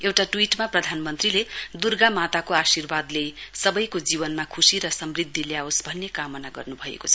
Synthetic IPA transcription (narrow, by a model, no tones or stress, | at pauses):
ewʈaʈwiʈmaprʌd̪ʱanmʌnt̪riled̪urɡamat̪akoasirbad̪lesʌbʌjkod͡zibʌnmakʰusiɾʌsʌmrid̪ʱːiljaosbʱʌnːekamʌnaɡʌ̰rnubʱʌḛkot͡sʰʌ